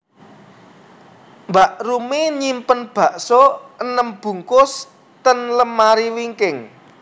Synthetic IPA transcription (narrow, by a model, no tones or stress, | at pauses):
mbaʔrumeɲimpənb̥ä̤ʔsɔənəmb̥ṳŋkʊs | t̪ənləmːaɾiwiŋkɪŋ